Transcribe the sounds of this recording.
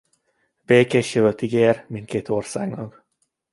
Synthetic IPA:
beːkeʃjøvøt̪iɡeːrmint̪keːt̪orsa̰ːɡnɒk

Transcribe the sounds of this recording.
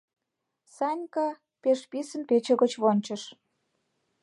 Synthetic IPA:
sɑnʲkɑ | peʃpisə̆npet͡ɕə̆ɣə̆t͡ɕβonʲt͡ɕə̆ʃ

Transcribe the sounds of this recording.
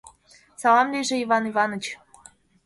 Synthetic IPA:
sɑlɑmlʲiʒĕivɑnivɑnɤ̆t͡ɕ

